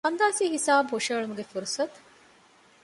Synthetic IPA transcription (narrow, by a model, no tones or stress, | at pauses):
ɐnd̪aːsiːhisaːbɦoʂɐːɭumuɡefuɾusɐt̪